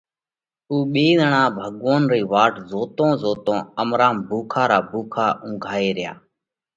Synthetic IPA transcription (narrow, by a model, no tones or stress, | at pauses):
uːɓeːzəɳãːbʱəɠoːnɾiːʋaːʈzoːt̪õːzoːt̪õːəmɾaːmbʱuːkʰaːɾaːbʱuːkʰaːʔʊ̃ːɡʱaːeːɾɪja̰ː